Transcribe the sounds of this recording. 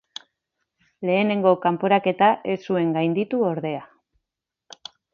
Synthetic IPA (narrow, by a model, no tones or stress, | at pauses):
le̞ːne̞ŋɡo̞kampo̞ɾake̞t̪aʔe̞sue̞ŋɡajnd̪it̪uo̞ɾðe̞a